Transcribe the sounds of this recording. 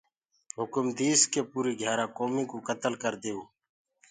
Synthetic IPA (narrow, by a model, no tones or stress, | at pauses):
ɦʊkʊmd̪iːskeːpuːɾiːɡʱjaːɾãːkoːmĩːkoːkət̪əlkəɾd̪eːuː